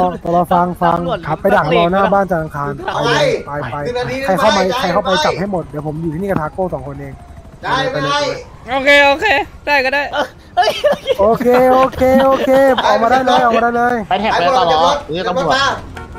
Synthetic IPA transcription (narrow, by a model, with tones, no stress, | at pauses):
ɔː˧˩p̪ɔ˨˩lɔː˧˩fa˧ŋfa˧ŋʰa˦pːa˧jda˨˩˧lɔː˧naː˥˩baː˥˩nt͡ɕaː˨˩ʔa˧ŋkʰaː˧npa˧jlɯː˧pa˧ja˧jʰa˧˩jkʰa˥˩wma˧jkʰa˧˩jkʰa˥˩wpa˧jt͡ɕa˨˩p̚ha˥˩jmo˨˩t̪̚di˩˦pʰo˩˦mjuː˨˩iː˥˧niː˥˩k̪ʰaː˧koː˥˩sɔː˩˦ŋkʰo˧nʔeː˧ŋ | a˧˩˧a˧˩pa˧ne˧˩u˧˩ | ʔoː˧˩kʰeː˧˥ʔoː˧kʰeː˧daː˥˩jkɔː˥˩daː˥˩j | ʔoː˧kʰeː˧ʔʔoː˧kʰeː˧ʔoː˧kʰeː˧ʔaː˧˩wmaː˧ɾaː˥˩jlɤː˧jʔaː˨˩wmaː˧daː˥˩jlɤː˧ja˧jt̪ʰɛː˨˩aː˧˦a˧lɔː˧˦a˧u˨˩t̪